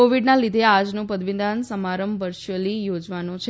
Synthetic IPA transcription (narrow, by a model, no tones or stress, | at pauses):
oʋiɖnãlid̪ʱead͡ʒnũpəd̪ʋind̪ʱãnsəmaɾəmbʋəɾʃəlijod͡ʒʋanũt͡ʃʰ